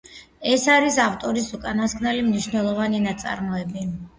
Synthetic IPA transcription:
ɛsaɾisaft̪ʼɔɾisukʼanasknɛlimniʃnɛlˠɔvaninat̪sʼa̰ɾmɔɛbi

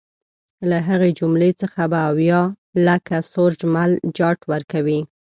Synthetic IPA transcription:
laɦəɣed͡ʒumlet͡səxabaːwjɑ | lakasoɾd͡ʒmald͡ʒɑʈwəɾkawi

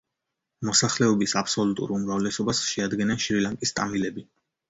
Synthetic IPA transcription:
mɔsaχlɛɔbisapʰsɔlut̪ʼṵɾumɾavlɛsɔbasʃɛad̪ɡɛnanʃɾilaŋkʼist̪ʼamilɛbi

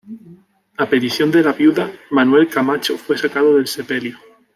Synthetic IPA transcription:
apet̪iθjo̞nd̪e̞laβjuðamanwe̞lkamat͡ʃofwe̞sakaðoðe̞lse̞pe̞ljo

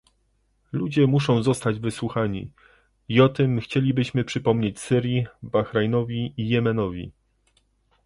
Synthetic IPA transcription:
lud͡ʑɛmuʂɔ̃w̃zɔst̪ad͡ʑvɘswuxaɲḭ | iɔt̪ɘmxt͡ɕelʲibɘɕmɘpʂɘpɔmɲet͡ɕsɘɾʲjibaxɾajnɔvʲiijɛmɛnɔvʲḭ

